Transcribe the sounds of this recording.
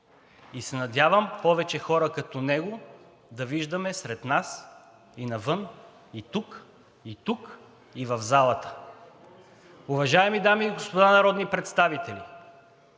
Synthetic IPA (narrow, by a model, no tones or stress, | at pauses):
isɛnɐd̪ʲavəmpɔvɛt͡ʃɛxɔɾɐkɐt̪ɔnɛɡo | d̪ɐviʒd̪ɐmɛsɾɛt̪nas | inɐvɤn | it̪uk | it̪uk | ivɐvzalˠɐt̪ə̥ | ʊvɐʒaɛmid̪amiːɡospod̪anɐɾɔd̪nipɾɛt̪st̪avit̪ɛlʲḭ